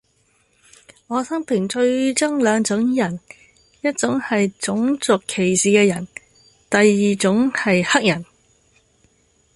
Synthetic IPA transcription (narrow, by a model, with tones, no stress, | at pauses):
ŋɔː˨˧sɐ˥ŋpʰɪ˨˩ŋt͡ʃɵ˧ɥt͡sɐ˥ŋlœː˨˧ŋt͡sʊ˨˥ŋjɐ˨˩n | jɐ˥t̚t͡sʊ˨˥ŋhɐ˨jt͡sʊ˨˥ŋt͡sʊ˨kʰːe˨˩jsiː˨˩kɛː˧jɐ˨˩n | t̪ɐ˨jːiː˨t͡sʊ˨˥ŋhɐ˨jhɐ˥k̚jɐ˨˩n